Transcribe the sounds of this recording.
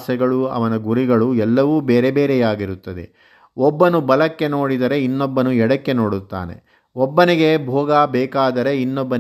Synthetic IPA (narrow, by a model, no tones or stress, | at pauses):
sɛɡɐɭuɐ̰ʋɐnɐɡuɾiɡɐɭuɛlːɐʋuːbeːɾe̞beːɾejaːɡiɾut̪ːɐd̪e̞̰ | ɔbːɐnubɐlɐkːe̞no̞ːɽid̪ɐɾe̞inːɔbːɐnuɛɽɐkːe̞no̞ːɽut̪ːa̰ːnḛ | ɔbːɐniɡe̞bʱɔːɡabɛːkaːd̪ɐɾe̞inːɔbːɐ